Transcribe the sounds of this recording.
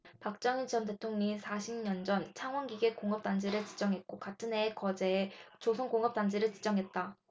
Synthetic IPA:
pak̚t͡ɕ͈ʌŋint͡ɕʌnte̞tʰoŋɲisʰaɕʰimɲʌnd͡ʑʌnt͡ɕʰaŋɦwʌnɡiɡe̞koŋʌp̚t͈and͡ʑeɾɯɭt͡ɕi̥d͡ʑʌŋɦe̞t̚k͈okatʰɯnɦe̞ːkʌd͡ʑe̞ːt͡ɕosʰʌŋkoŋʌp̚t͈and͡ʑeɾɯɭt͡ɕi̥d͡ʑʌŋɦe̞t̚t͈a

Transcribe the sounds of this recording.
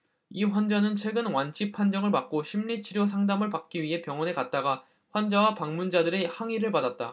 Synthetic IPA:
iɸwand͡ʑʌnɯnt͡ɕʰwe̞ɡɯnwant͡ɕʰipʰand͡ʑʌŋɯɭmak̚k͈oɕʰimʎit͡ɕʰiɾjos̬ʰaŋdamɯɭpak̚k͈iɥiɦe̞pjʌŋwʌne̞kat̚t͈aɡa | ɸwand͡ʑʌwapaŋmund͡ʑadɯɾe̞haŋiɾɯɭpadat̚t͈a

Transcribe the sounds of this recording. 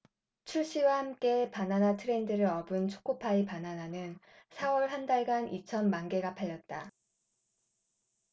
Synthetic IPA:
t͡ɕʰuɭɕ͈iwahamk͈e̞pananatʰɯɾe̞ndɯɾɯɾʌbɯnt͡ɕʰo̥k͈ʰopʰaipanananɯn | sʰawʌɭɦandaɭɡanʔit͡ɕʰʌnmanɡe̞ɡapʰaʎːʌt̚t͈a

